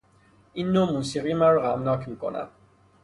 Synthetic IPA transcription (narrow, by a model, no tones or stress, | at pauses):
inːomũnsiʁimaɾʁamnakimkɔ̰na̰